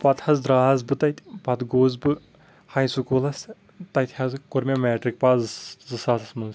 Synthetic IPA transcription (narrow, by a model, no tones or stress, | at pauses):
pɐt̪hɐzd̪ɾaːzbɨt̪ɐjt̪ʰʲpɐd̪ɡoːzbɨ | hɐjnsukulɐs | t̪ɐjt̪ʰʲhɐzɨkoɾmʲemeːʈɾik̚paːzzɨsaːsɐsmuns